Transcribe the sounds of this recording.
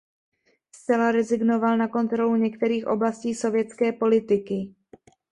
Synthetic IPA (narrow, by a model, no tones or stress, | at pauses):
st͡sɛlaɾɛzɪɡno̞valnako̞nt̪ɾo̞luɲɛkt̪ɛɾiːxʔo̞̰blasciːso̞vjɛt͡skɛːpo̞lɪt̪ɪkɪ